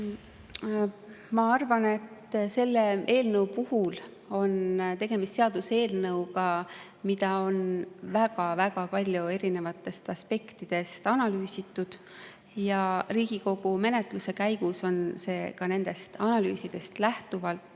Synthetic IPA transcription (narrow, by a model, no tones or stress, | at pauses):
mɑɑrvɑne̞t̪ːse̞lːee̞ːlnɤwpuhul | o̞nt̪e̞ɡ̥e̞mist̪seɑd̪use̞ːlnɤwɡɑ | mid̪̥ɑo̞nvæɡ̥ɑvæɡ̥ɑpɑlʲjue̞ɾine̞vɑt̪ːˑe̞st̪ɑspe̞kt̪id̪̥e̞st̪ɑnɑlyːsit̪ˑːud̪̥ | jɑriːɡ̥iko̞ɡ̥ume̞ne̞t̪luse̞kæjɡ̥uso̞nse̞ːkɑne̞nd̪̥e̞st̪ɑnɑlyːsid̪̥e̞st̪læht̪uvɑlt̪ˑː